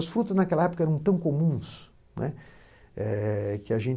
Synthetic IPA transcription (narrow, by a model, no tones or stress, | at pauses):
ɐsfɾut̪ɐznakɛlɐɛpo̥kɐɛɾɐ̃w̃t̪ɐ̃w̃komũs | nʔɛ̰ | ɛkɪɐʒẽ